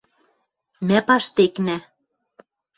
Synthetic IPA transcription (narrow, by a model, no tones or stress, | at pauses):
mæpɑʃt̪eknæ